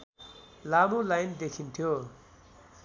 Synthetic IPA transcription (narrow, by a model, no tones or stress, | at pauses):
lamulajnd̪ekʰint̪ʰjo